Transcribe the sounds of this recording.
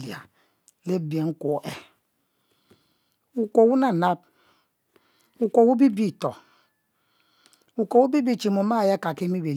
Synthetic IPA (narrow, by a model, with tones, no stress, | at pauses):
li˨a̰˨ | le˦˨be˨ŋ̩˦ko˨˦ʔɛ˨ | u˨ko˨wu˦na˨na˦b̚ | u˨ko˨wu˦bi˦bi˦˨tɔ˨ | u˨ko˨wu˦bi˦bi˦˨t͡ʃi˨mu˨˦ma˦˨je˦ka˨ki˦mi˦be˨